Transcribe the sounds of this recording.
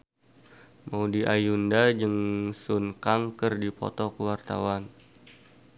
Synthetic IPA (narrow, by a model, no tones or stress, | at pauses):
maudiʔajundad͡ʒɨŋsunkaŋkərdipɔ̰t̪ɔkəwart̪awan